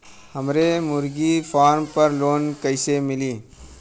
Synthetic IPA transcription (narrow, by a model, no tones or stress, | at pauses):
həmɾemʊɾɡipʰaːɾmpəɾloːnkəɪsemɪliː